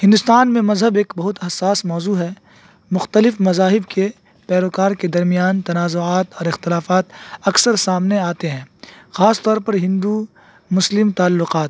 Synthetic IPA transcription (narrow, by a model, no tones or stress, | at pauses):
hɪ̃nd̪ʊst̪aːnmẽmɐzɦəbeːkbɐɦʊt̪ɦɐsːaːsmɔːzuːɦɛ | mʊxt̪əlɪfmɐzaːɦɪbke | pɛːɾoːkaːɾked̪ɐɾmijaːnt̪ɐnaːzoaːt̪ɔːɾɪxt̪ɪlaːfaːt̪ɐksəɾsaːmneaːt̪eɦɛ̃ːxaːst̪ɔːɾpɐɾɦɪ̃nd̪u | mʊslɪmt̪aːlːʊqaːt̪̚